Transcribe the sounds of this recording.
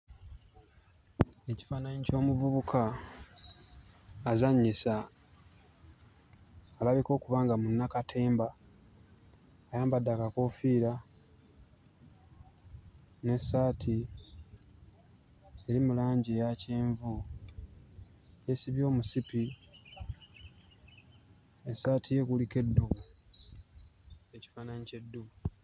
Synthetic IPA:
e̞ci̥faːnaɲico̞ːmuβuβukʰa | zaɲːisa | laβiko̞ːkuβaːŋɡamunːakatʰe̞ːmba | jaːmbadːakako̞fiːɾa | ne̞sːaːtʰi | e̞ɾimulaːɲɟejaceːɱvu | je̞siβjo̞ːmusipi | esaːtʰije̞kulike̞dːuɣu | e̞ci̥faːnanice̞dːuu

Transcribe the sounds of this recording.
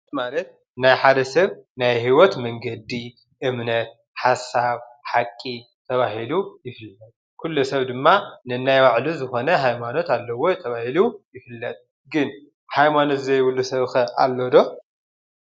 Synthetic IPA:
malɐt̪̚ | najħad̪ɐsɐβnajhiwɔt̪mɐŋɡɐd̪i | ʔɨmnɐt̪̚ | ħasaβħakʼːi | t̪ʰɐβaɦilujɪfɨlːɐt̪ʼ | kʰulːusɐβd̪ɨmːanɨnajwaʕluzɨxo̞nɐhajmano̞t̪alːɐwo̞jt̪ʰɐβahilujɪfɨlːɐt̪ʼ | ɡɨn | hajmano̞t̪zɐjβɨlːusɐβxɐʔa̰lːod̪o̞

